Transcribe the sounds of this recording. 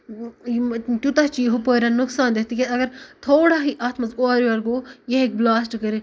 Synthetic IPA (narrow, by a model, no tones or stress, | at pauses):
t̪ʲut̪ɐt͡ʃiːɦupəːɾʲaːnːuksaːnd̪eɦt̪ikeɐɡɐɾt̪ʰoːɽaːɦiʔaːt̪mɐzkoaːɾɐlɡoːjeɦek̚blaːsʈkɐɾe